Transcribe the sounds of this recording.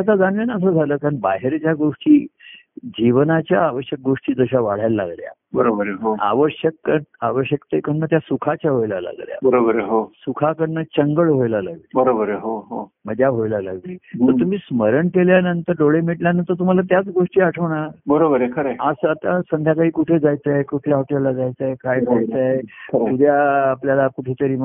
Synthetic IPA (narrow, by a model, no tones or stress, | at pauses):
t̪at̪ad͡zanʋenaəs̬əːd͡zʱaləːkaɳbaɦeɾt͡ɕjaɡoʂʈiː | d͡ʑiʋnat͡ɕjaːʋəɕjək̚ɡoʂʈiːd͡zəɕaʋaɽ̤jalːa̰ɡlja̰ | bəɾobəɾeɦoa̰ʋəɕjəkːəaʋəɕjəkt̪ekənːət̪jasukʰat͡ɕjaɦojla̰la̰ɡlja̰bəɾobəɾeɦosukʰakəɳːət͡ɕəŋɡəɭɦojlala̰ɡlibəɾobəɾeɦoɦo | m̤əd̪ʱjaɦojlala̰ɡliːt̪əɾt̪um̤iːsməɾəɳkeljanənt̪əɾɖoɭemiʈljanənt̪əɾt̪̬um̤alat̪jat͡sɡoʂʈiːaʈʰəʋɳ̃aɾbəɾobəɾekʰəɾeasəat̪asənd̪ʱjakaɦiːkuʈʰed͡zajt͡saekuʈʰlaɦɔʈelːad͡zajt͡saekajd͡zʱajt͡saekʰəɾeud̪ʱjaːpljalakuʈʰet̪əɾiːm